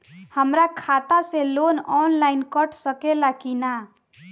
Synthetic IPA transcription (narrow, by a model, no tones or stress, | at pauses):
həmɾakʰat̪aselonɔnlainkəʈʰsəkelakina